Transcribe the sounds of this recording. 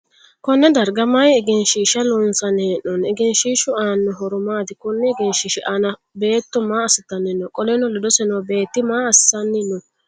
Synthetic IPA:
kɔnːɛd̪ɐɾɡɐmɐjɪɡɛnʃiːʃɐnɔnsɐneːnːɔnɛɡɛnʃiːʃʊaːnːɔɦɔɾʊmaːd̪ɪkɔnːɛɪɡɛnʃiʃɪʔanɐ | be̞ːt̪ːɔmaːɐsɪt̪ːɐnːɪnːɔkʼɔlɛnɔlɔd̪ɔsɛnɔwbe̞ːt̪ːɪmaːɐssɐnːɪnːɔ

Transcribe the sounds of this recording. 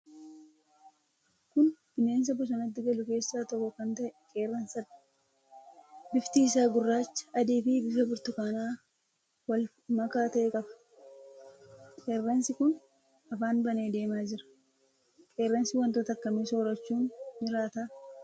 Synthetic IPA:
kʊnfɪne̞ːns̬ɐbʊs̬ɐnɐt̪̬ːɪɡɐlʊke̞ːsːaːt̪ɔkːɔkɐnt̪ɐʔkʼeːrːɐnsɐ | bɪft̪iːs̬aːɡʊrːaːt͡ʃːɐ̥ʔɐd̪iːfɪbɪfɐbɪɾt̪ʊkɐnaː | wɐl | mɐkaːt̪ɐʔekʼɐbɐ̥ | kʼe̞ːrːɐnsɪkʊn | ɐfaːnbɐne̞ːd̪e̞ːmaːd͡ʒɪɾɐ̥ | kʼe̞ːrːɐnsɪwɐnt̪oːt̪ɐkːɐmeso̞ːɾɐt͡ʃːuːnd͡ʒɪɾaːt̪aː

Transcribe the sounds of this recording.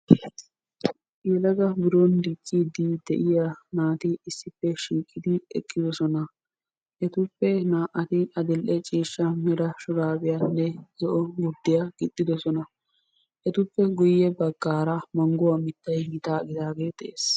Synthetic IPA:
jɛlɐɡɐbɪɾɔnd̪it͡ʃʼːid̪id̪ɛʔɪjanaːt̪ɪɪsːɪpːɛʃɪŋkʼːɪd̪ɪɛ̰kʼːɪd̪ɔsɔnɐ | ʔɛt̪ʊpːɛnaːʔɐt̪ɪɐd̪ɛlʔɛt͡ʃʼiːʃːɐmɛɾɐʃɔɡaːbɪjɐnːɛzɔʔɔɡʊd̪ːɪjaɡ̥ɪt̪ʼːɪd̪ɔsɔnɐ | ʔɛt̪ʊpːɛɡʊjːɛbɐɡːaːɾɐmɐŋɡʊwɐmɪt̪ːɐjɡɪt̪aːɡɪd̪aːɡeːt̪ɛʔeːs

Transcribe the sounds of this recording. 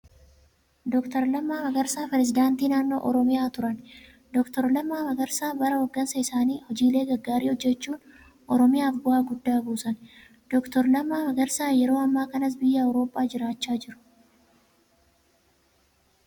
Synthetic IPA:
d̪ɔkt̪ɐɾlɐmːaːmɐɡɐɾsaːpɛɾɛzɪd̪aːnt̪iːnaːnːo̞̰ːʔɔɾɔmɪjaːt̪ʊɾɐn | d̪ɔkt̪ɔɾlɐmːaːmɐɡɐɾsaːbɐɾɐwɐɡːɐnsɐɪsaːniːhɔd͡ʒiːle̞ːɡɐɡːaːɾiːɔd͡ʒːɛt͡ʃːuːn | ʔɔɾɔmɪjaːfɡʊhaːɡʊd̪ːaːbuːsɐn | d̪̥ɔkt̪ɔɾlɐmːaːmɐɡɐɾsaːjɛɾo̞ːɐmːaːkɐnɐs̬bɪjːɐɐwɾo̞ːpʼːaːd͡ʒɪɾaːt͡ʃːaːd͡ʒɪɾʊ̥

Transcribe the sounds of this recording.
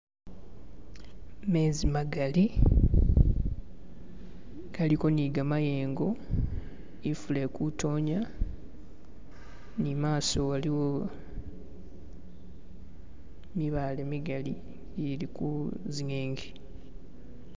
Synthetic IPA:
me̞ːzimaɡali | ɡaliko̞niɡamajeːŋɡo̞ | ifule̞ːkutʰo̞ːɲa | nimaːso̞waliwo̞ | miβaːle̞miɡali | ilikuziɲeːŋɡi

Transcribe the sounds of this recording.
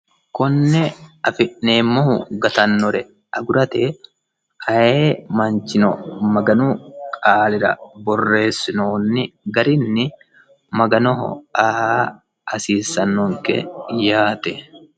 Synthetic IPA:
kɔnːɛɐfɪʔneːmːohʊɡɐt̪ɐnːɔɾɛ | ɐɡʊɾɐt̪ɛ | ɐeːmɐnt͡ʃɪnɔmɐɡɐnukʼaːlɪɾɐ̰bɔrːe̞ːsːɪnoːnːɪɡɐɾɪnːɪ | mɐɡɐnɔɦa | ɐsiːsːɐnːɔŋkɛ̰jaːt̪ɛ

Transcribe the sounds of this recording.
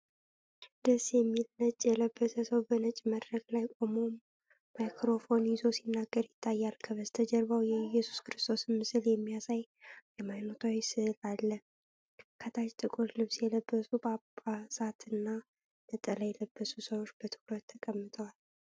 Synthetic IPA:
d̪əsjɛmːilnət͡ʃʼːjɛləbːət̪ʰəsəwbənət͡ʃʼməd̪ɾəɡlajkʼomoː | ajkʰɾo̞fo̞njɪzo̞sinːaɡːəɾjɪt̪ʰːajːalkʰəβəzt̪ʰəd͡ʒɛɾβəwjɛjːɛsu̥skɨɾɨst̪ʰo̞snmɨsɨljɛmːijasajjɛmajnot̪ʰawisɨlalːə | kʰət̪ʰat͡ʃt̪ʼɨkʼuɾlɨβsjɛləbːəsubəabasat̪ʰɨnːa | nət̪ʼələjɛləbːəsusəwot͡ʃːbət̪ʰɨ̥kɾət̪ʰːəkʼəmːɨt̪ʰʼəwal

